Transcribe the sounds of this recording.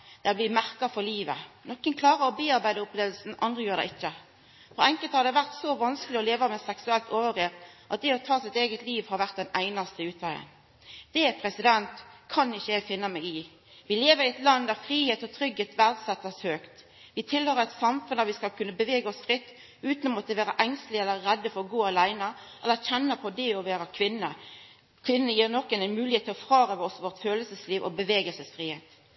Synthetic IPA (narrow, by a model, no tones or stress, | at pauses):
d̪̥ɛɔblɪmæʁkɑfɔʁliːʋə̰nɔkːənkʰlɑːʁəɾɔbeːɑʁbæɪd̪əʊpleːʋəl̩sn̩ʔɑnd̪ʁəjøːɾd̪ɛ̰ɪçːə | fɔʁɛŋkəlt̪hɑɾd̪ɛʋæʁt̪sɔʋɑnskəlɪɔleːʋəmɛsɛksʉɛlt̪ʰoːʋəʁeːʁʔɑt̪̚d̪ɛɔt̪ʰɑːsɪt̪eːɡət̪liːʋhɑɾʋæʁt̪̚d̪ɛnæɪnɑst̪əɪʉːt̪ʋæɪə̰n | d̪̥ɛpʰʁɛsɪd̪ɛnt̪kʰɑnɪçːəæɡfɪnːəmɛːɡɪ | ʋɪleːʋəɾɪɛt̪lɑnd̪æʁfɾiːheːt̪ɔt̪ʰʁʏɡheːt̪ʋæʁd̪sɛt̪ːəshøːkt̪ | ʋɪt̪ʰɪlhøːɾəɾɛɪt̪sɑmfʉnd̪æʁʋɪskɑlkʰʉnːəbəʋeːɡəɔsfʁɪt̪ː | ʉːt̪nɔmɔt̪əʋæːɾəʔɛŋst̪lɪɛlːəːɛd̪ːəfɔʁɔɡoːɑlæɪnə | ʔɛlːəçɛnːəpʰɔd̪ɛɔʋeːɾəkʰʋɪnːə | kʰʋɪnːnəjiːʁnɔkːɛnɛnmʉːlɪheːt̪ʰːɪlɔfʁɑːʁəʋɔsʋɔʁt̪føːləlsəsliːʋʔɔ̰bəʋeːɡəlsəsfʁiːheːt̪